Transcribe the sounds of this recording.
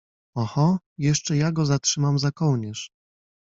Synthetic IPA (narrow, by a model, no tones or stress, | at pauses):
ɔxɔ | jɛʂt͡ʂɛjaɡɔzatʂɘmamzakɔwɲɛʂ